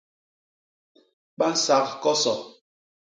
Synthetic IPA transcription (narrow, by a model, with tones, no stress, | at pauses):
ɓa˦n̩˨sa˨˦kkɔ˦sɔ˨